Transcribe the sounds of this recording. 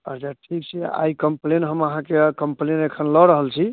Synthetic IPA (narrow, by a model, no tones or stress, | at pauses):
əɾd͡ʒaʈʰikt͡ʃʰɛa̰ikəmplenɦəməɦãkekəmplenekʰənlɔɾəɦəlt͡ʃʰi